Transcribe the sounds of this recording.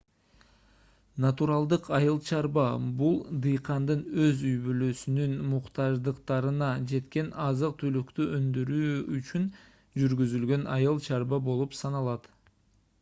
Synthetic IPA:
nat̪uɾɑlˠd̪ɯqʰɑjɯlˠt͡ʃʰɑɾbɑbulˠd̪ɯjqɑnd̪ɯnø̞zyjbyløsynynmuqt̪ɑʒd̪ɯqt̪ɑɾɯnɑd͡ʒe̞t̪ke̞nɑzɯq̚t̪ʰylykt̪yønd̪øɾyːyt͡ʃyn | d͡ʒyɾɡyzylɡø̞nɑjɯlˠt͡ʃʰɑɾbɑbo̞lˠupsɑnɑlˠɑt̪

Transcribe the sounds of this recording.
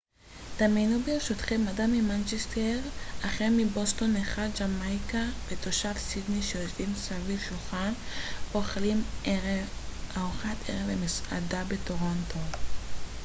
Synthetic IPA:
d̥aminubilʃotχimːadamimant͡ʃest̪eʁaχemibost̪o̞neχadd͡ʒamajkab̥et̪oʃavsidniʃeozdimsavilʃulχanoχlim | aoχat̪ḛʁevemesadabetoʁonto

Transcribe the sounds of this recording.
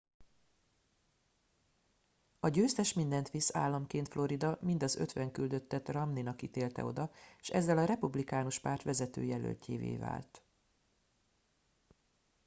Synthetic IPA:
ɒɟøːst̪ɛʃmind̪ɛnt̪ʋisa̰ːlːɒmkeːnt̪flo̞ɾid̪ɒmind̪ɒzø̰t̪ʋɛŋkyld̪ø̞t̪ːɛt̪rɒmnenɒkːit̪eːlt̪ɛ̰o̞d̪ɒʃɛ̰zːɛlɒɾɛpublikaːnoʃpaːrt̪ʋɛzɛt̪ø̰ːjɛlø̰lcḛːvḛːva̰ːlt̪

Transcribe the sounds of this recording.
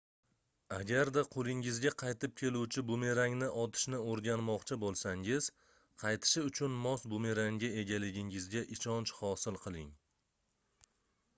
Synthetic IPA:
aɡʲaɾd̪aqʰolˠɪŋɪzɡʲaqʰɑjt̪ɪp̚kʲʰe̞luwt͡ʃʰɪbʊme̞ɾaŋnɪʔɒt̪ʰɪ̥ʃnɪoɾɡʲanmɒqt͡ʃʰɪbolˠsaŋɪz̥ | qʰɑjt̪ʰɪ̥ʃɪʊt͡ʃʰʊnmɒsbʊme̞ɾaŋɡʲae̞ɡʲalɪɡʲɪŋɪzɡʲaʔɪʃɒnt͡ʃhɒsɪlˠqʰɨlˠɪŋ

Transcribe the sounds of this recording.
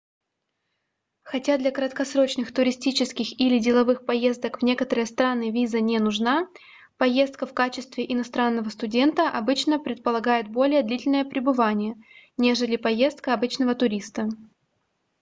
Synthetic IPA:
xɐtʲad̪lʲɐkɾət̪kɐsɾo̞t͡ɕnɨxt̪ʊɾʲɪsʲtʲit͡ɕɪskʲɪxilʲɪdʲɪlˠɐvɨxpɐje̞zd̪əkvnʲe̞kət̪əɾɨjəst̪ɾanːɨjvʲizənʲenʊʐna | pɐje̞st̪̚kəfkat͡ɕɪst̪vʲɪʔɪnɐst̪ɾanːəvəst̪ʊdʲe̞nt̪əʔɐbɨt͡ɕnəpɾʲɪt̪̚pəlˠɐɡajɪt̪̚bo̞lʲɪjəd̪lʲitʲɪlʲnəjəpɾʲɪbɨvanʲɪjə | nʲe̞ʐɨlʲɪpɐje̞st̪̚kəɐbɨt͡ɕnəvət̪ʊɾʲist̪ə

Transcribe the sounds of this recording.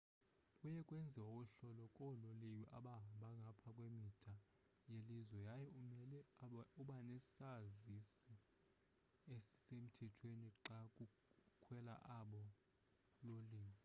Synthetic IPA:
kʼujɛkʼwɛnd͡zʱiwawuɬɔlɔkʼɔloliwɛʔaɓaɦambʱaŋɡʱapʰakʼwemitʰʼa | jelizwɛjajɛumɛlɛuɓanɛsazisi | esi̥sem̩tʰɛtʰweniǁakʼu | kʰwɛla̰ʔaɓɔ | loliːwɛ

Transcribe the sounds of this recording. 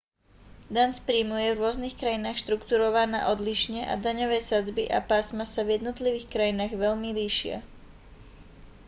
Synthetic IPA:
d̪anspɾimujɛvɾʊɔznixkɾajinaːxʃt̪ɾukt̪uɾɔʋana̰ːʔɔd̪liʃɲɛʔa̰d̪aɲɔʋɛːsad͡zbiʔa̰paːsmasavjɛd̪nɔt̪liʋiːxkɾajinaːɣʋɛʎmiliːʃɪa̰

